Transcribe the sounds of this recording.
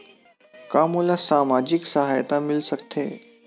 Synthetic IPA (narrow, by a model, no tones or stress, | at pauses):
kamulasamad͡ʑiksəɦajt̪amilsəkt̪ʰḛ